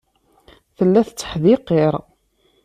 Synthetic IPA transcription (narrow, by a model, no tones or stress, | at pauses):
θəlːæθt͡sːə̥ħðiqːeɾˤ